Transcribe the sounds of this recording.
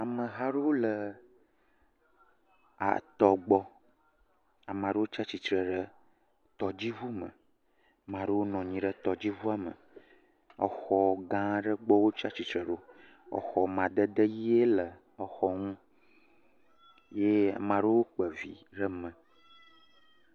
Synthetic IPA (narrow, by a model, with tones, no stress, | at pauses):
a˨mə̃˨ɦa˦ɖo˦wlə˨ | a̰˨t̪ɔ˨ɡ͡bɔ˦ | a˨mã˨ɖə˦wo˦t͡ʃa˦t͡ɕi˨t̪ɾə˨ɖə˦ | t̪ɔ˨d͡ʑi˦vu˦mə̰̃˨ | mã˨ɖə˦wo˦nɔ̃˨ɲĩ˨ɖə˦t̪ɔ˨d͡ʑi˦vu˦a˦mə̰̃˨ | ɔ̰˨xɔ˨ɡã˦ɖə˦ɡ͡bɔ˦wo˦t͡ʃa˦t͡ɕi˨t̪ɾə˨ɖo˦ | ɔ̰˨xɔ˨mã˨d̪ə˦d̪ə˦ji˦e˦lə˨ | ə˨xɔ˦ŋũ˦ | je˦˨mã˨ɖə˦wo˦k͡pə˨vḭ˨ɖə˦mə̃˨